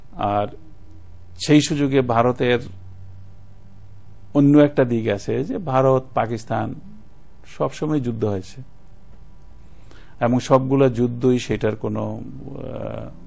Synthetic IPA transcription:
aɾ | ʃejʃud͡ʑoɡebʱaɾot̪eɾ | onːoɛk̚ʈad̪iɡat͡ɕʰed͡ʑebʱaɾot̪pakist̪an | ʃɔbʃomɔjd͡ʑud̪ʱːoɦojet͡ɕʰe̥ | ɛboŋʃɔb̚ɡulad͡ʑud̪ʱːojʃejʈaɾkono

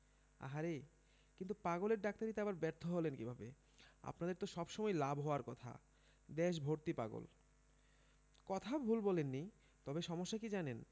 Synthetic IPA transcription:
a̰ɦaɾe | kint̪upaɡoleɾɖak̚t̪aɾit̪eabaɾbɛɾt̪ʰoɦolenkibʱabḛ | a̰pnad̪eɾt̪oʃɔbʃɔmɔelabɦɔoaɾkɔt̪ʰa̰ | d̪eʃ̬bʱoɾt̪ipa̰ɡo̰l | kɔt̪ʰaobʱulbɔlenːi | t̪ɔbeʃɔmoʃːakid͡ʑanen

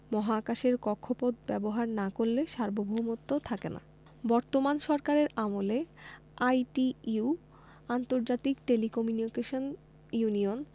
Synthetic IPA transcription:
mɔɦakaʃeɾkɔkʰːopod̪bɛboɦaɾnakoɾleʃaɾbobʱoɦumot̪ːot̪ʰakena̰ | bɔɾt̪omanʃɔɾkaɾeɾamole | ajʈiu | ant̪oɾd͡ʑat̪ikʈelikɔmjunikeʃon | junion

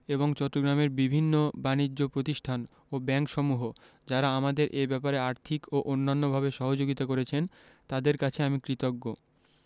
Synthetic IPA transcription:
eβoŋt͡ɕɔʈːoɡɾameɾbibʱinːobanid͡ʑːopɾot̪iʃʈʰan | obɛŋkʃɔmuɦo | d͡ʑaɾaamad̪eɾʔebɛpaɾeaɾt̪ʰikoʔonːanːobʱabeʃɔɦod͡ʑoɡit̪akoɾet͡ɕʰent̪ad̪eɾkat͡ɕʰeamikɾit̪oɡːo

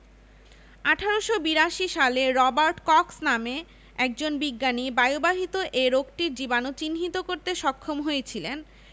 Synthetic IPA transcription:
aʈʰaɾoʃobiɾaʃiʃaleɾɔbaɾʈkɔksname | ɛk̚d͡ʑonbiɡːanibajobaɦit̪oʔeɾoɡʈiɾd͡ʑibanot͡ɕinɦit̪okoɾt̪eʃɔkʰːomɦojet͡ɕʰilen

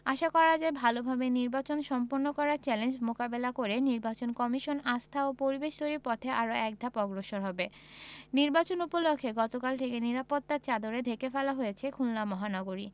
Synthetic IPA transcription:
aʃakɔɾad͡ʑaebʱalobʱabeniɾbat͡ɕonʃɔmpoɾnokɔɾaɾt͡ɕɛlend͡ʑmokabelakoɾeniɾbat͡ɕonkɔmiʃonast̪ʰaopoɾibeʃd̪oɾiɾpɔt̪ʰeʔaɾoɛk̚d̪ʱapɔɡɾoʃoɾɦɔbe | niɾbat͡ɕonupolokʰːeɡɔt̪okalt̪ʰekeniɾapot̪ːat͡ɕad̪oɾed̪ʱekefɛlaɦojet͡ɕʰekʰulːamɔɦanɔɡoɾi

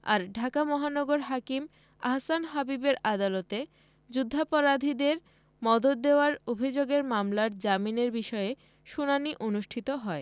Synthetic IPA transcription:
a̰ɾɖʱakamɔɦanɔɡoɾɦakim | a̰ɦsanɦabibeɾad̪alot̪e | d͡ʑud̪ʱːapɔɾad̪ʱid̪eɾ | mɔd̪ot̪̚d̪eoaɾobʱid͡ʑoɡeɾmamlaɾd͡ʑamineɾbiʃɔe | ʃunaniʔonuʃʈʰit̪oɦɔe

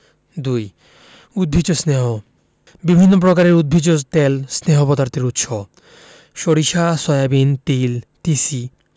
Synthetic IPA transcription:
d̪uj | ud̪̚bʱid͡ʑosneɦo | bibʱinːop̬ɾokaɾeɾud̪̚bʱid͡ʑot̪elsneɦopɔd̪aɾt̪ʰeɾut̪ʃo | ʃoɾiʃasɔjabint̪ilt̪isi

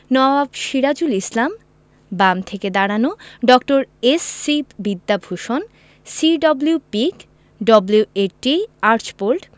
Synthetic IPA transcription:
nɔbabʃiɾad͡ʑulislam | bamt̪ʰeked̪aɽanoɖɔkʈoɾesːibbid̪ːabʱuʃon | siɖɔblupik | ɖɔblueʈiaɾt͡ɕpoɾʈ

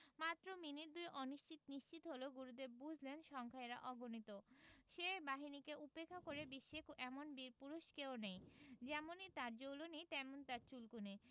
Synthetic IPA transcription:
mat̪ːɾominiɾd̪ujʔoniʃt͡ɕit̪niʃt͡ɕit̪ɦoloɡuɾud̪eɾbud͡ʑʱlenʃɔŋkʰaeɾa̰ʔɔɡonit̪oʃebaɦinikeʔupekʰːakoɾebiʃːekʔɛmonbiɾpuɾuʃkeonejd͡ʑɛmonit̪aɾd͡ʑowlonit̪ɛmont̪aɾt͡ɕulkune

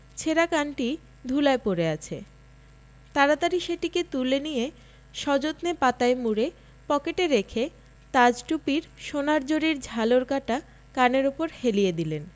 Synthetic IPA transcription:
t͡ɕʰeɾakanʈi | d̪ʱulaepoɾeat͡ɕʰe | t̪aɾat̪aɾiʃeʈiket̪ulenije | ʃɔd͡ʑot̪nepat̪aemuɾe | pɔkeʈeɾekʰe | t̪ad͡ʑʈupiɾʃonaɾd͡ʑoɾiɾd͡ʑʱaloɾkaʈa | kaneɾupoɾhelijed̪ilen

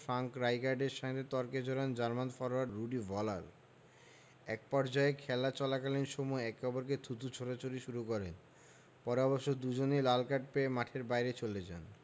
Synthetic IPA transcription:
fɾaŋkɾajkaɾɖeɾʃaŋɾet̪ɔɾked͡ʑoɽand͡ʑaɾmanfɔɾaɾːuɖivʱɔla̰ɾ | ɛk̚pɔɾd͡ʑɔekʰɛlat͡ɕɔlakalinʃomɔeɛkːɔboɾk̬et̪ʰut̪ut͡ɕʰoʈat͡ɕoɾiʃuɾukɔɾen | pɔɾɔbɔʃod̪ud͡ʑonilalkaʈ̚peemaʈʰeɾbajɾet͡ɕoled͡ʑa̰n

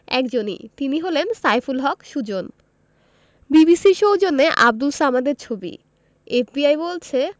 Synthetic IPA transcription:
ɛ̰kd͡ʑonḭt̪iniɦolensajfulɦɔkʃud͡ʑon | bibisiʃowd͡ʑonːeʔa̰b̚d̪ulsamad̪eɾt͡ɕʰobḭ | efbiajbolt͡ɕʰe

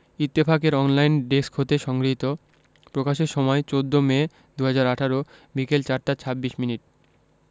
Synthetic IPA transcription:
it̪ːepʰakeɾɔnlajnɖeskʰot̪eʃɔŋɡɾiɦit̪o | pɾokaʃeɾʃɔmɔet͡ɕod̪ʱːome | d̪uɦad͡ʑaɾaʈʰaɾo | bikelt͡ɕaɾʈat͡ɕʰabːiʃminiʈ

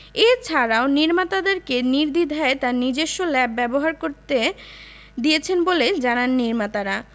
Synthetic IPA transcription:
et͡ɕʰaɾaoniɾmat̪ad̪eɾkeniɾd̪id̪ʱaet̪anid͡ʑeʃːolɛb̚bɛboɦaɾkoɾt̪e | d̪ijet͡ɕʰenboled͡ʑananːiɾmat̪aɾa

